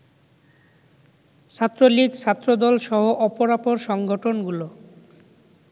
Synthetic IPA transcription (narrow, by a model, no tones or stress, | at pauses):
t͡ɕʰat̪ːɾoliɡt͡ɕʰat̪ːɾod̪ɔlʃɔɦoʔɔpoɾapoɾʃɔŋɡʱoʈʰonɡulo